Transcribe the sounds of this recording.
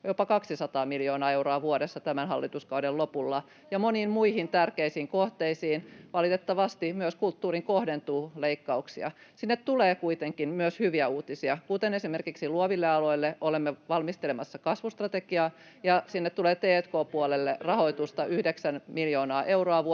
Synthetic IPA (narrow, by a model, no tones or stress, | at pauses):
jopɑkɑksisɑt̪ɑːmiljoːnɑːeuroɑʋuoɾesːɑt̪æmænhɑlːit̪uskɑudellopulːɑ | jɑmoniːmmuihint̪ærkeisiːŋkoht̪eisiːnʋɑlit̪et̪ːɑʋɑst̪imyøskult̪ːuːriŋkohdent̪uːleikːɑuksiɑ̰sinːet̪t̪uleːkuit̪eŋkinmyøshyʋiæuːt̪isiɑkut̪enesimerkiksiluoʋilːeɑloilːeʔolemːeʋɑlmist̪elemɑsːɑkɑsʋust̪rɑt̪ekiɑː | jɑsinːet̪t̪ːuleːt̪eːt̪koːpuolelːerɑhoit̪ust̪ɑʔyhdeksænmiljoːnɑːʔeuroɑʋu